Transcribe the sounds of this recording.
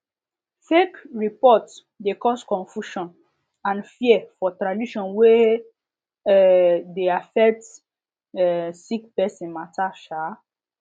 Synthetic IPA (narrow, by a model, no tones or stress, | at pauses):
fekɹipɔt | dekɔskɔ̃nfjuʃɔ̃n | ãnfiɛfɔtɾadiʃɔ̃nwe | ɛdeafɛk̚t | ɛsik̚pɛsĩnmataʃa